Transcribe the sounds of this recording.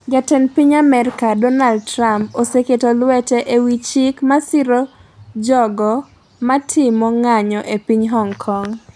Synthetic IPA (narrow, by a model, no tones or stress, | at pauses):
d͡ʒatɛnpiɲamɛɾkadɔnald̚tɾamposeketɔlwɛtɛʔewit͡ʃɪkmasɪɾɔd͡ʒɔɡɔ | matʰɪmɔŋaɲɔʔepiɲɦɔŋkʰɔŋ